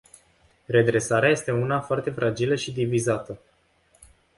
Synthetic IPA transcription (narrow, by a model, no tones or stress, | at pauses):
re̞d̪ɾe̞saɾeaje̞st̪e̞unafoart̪e̞fɾʔad͡ʒiləʃid̪ivizat̪ə